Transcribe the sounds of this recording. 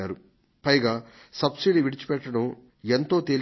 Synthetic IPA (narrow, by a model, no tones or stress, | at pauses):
aːɾu | pɐjɡaː | sɐbsiɖiʋiɽit͡ʃi̥pɛʈːɐɽum | ent̪o̞ːt̪eːl